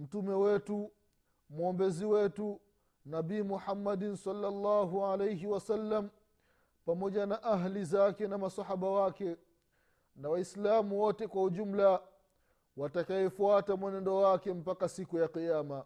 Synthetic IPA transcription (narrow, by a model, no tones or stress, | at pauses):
m̩tumɛwɛtu | mɔmbɛziwɛtu | nabiːmuħamːaɗnsɑlːalːaːɦuʕalejɦiwasalːam̩ | pamɔʄanaʔaɦlizakɛnamasahaɓawakɛ | nawaislamuwɔtɛkwauʄum̩la | watakaɛfuatamwɛnɛndɔwakɛm̩pakasikujaqijama